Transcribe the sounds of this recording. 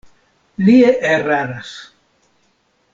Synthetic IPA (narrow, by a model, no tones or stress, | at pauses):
lieʔeraɾas